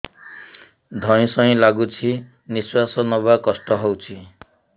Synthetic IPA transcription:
d̪ʱɔj̃sɔĩlaɡut͡ʃʰi | niswasɔnɔbakɔsʈɔɦowt͡ʃʰi

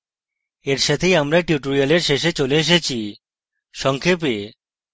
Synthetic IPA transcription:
eɾʃat̪ʰejamɾaʈjuʈoɾialeɾʃeʃet͡ɕoleeʃ̬et͡ɕʰi | ʃɔŋkʰep̬e

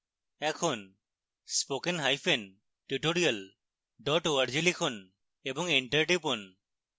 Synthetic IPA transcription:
ɛkʰɔn | spokenɦajpʰen | ʈuʈoɾijal | ɖɔʈoaɾzilikʰɔn | ebɔŋiɳʈaɹʈipɔn

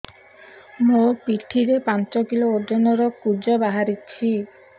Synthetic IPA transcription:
mopiʈʰːiɾepant͡ʃɔkilooɾd͡ʒɔnɔɾɔkud͡ʒɔbaɦaɾit͡ɕʰi

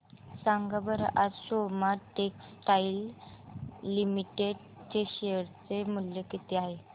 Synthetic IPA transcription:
saŋɡabəɾaʔad͡zsomaʈeksʈailː | imiʈeɖ | t͡ɕeɕeəɾt͡semuljəkit̪iaɦe

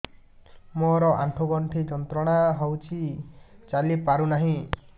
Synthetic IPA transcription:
moɾɔʔaɳʈʰuɡɔɳʈʰid͡ʒɔnt̪ɾɔɽ̃aɦɔwt͡ʃʰit͡ʃalipaɾunaɦĩ

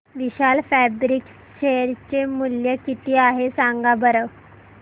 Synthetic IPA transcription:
ʋiɕalfæbɾik | ɕejəɾt͡ɕemuljəkit̪iːaɦesaŋɡabəɾəʋ

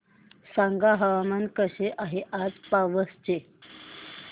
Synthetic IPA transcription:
sãŋɡaɦəʋamankəɕeʔaɦeʔad͡zpaʋəst͡ɕe

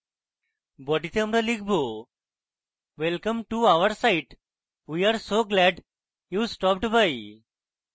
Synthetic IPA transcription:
bɔɖit̪eɐmɾalik̚ʰbo | ʋelkə̃mʈuaʋəɾsaɪʈ | wiaɾsoːɡlɛɖ | juːsʈɔp̚ʈbaj

